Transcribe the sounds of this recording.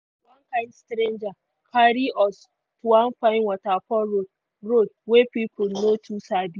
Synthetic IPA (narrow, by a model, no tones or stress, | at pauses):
wankãɪ̃ndstɾẽnd͡ʒa | kʰaɾiɔs | tuwãnfaɪ̃nwɔtapɔɾo | ɾodwepipʰonotʰusadi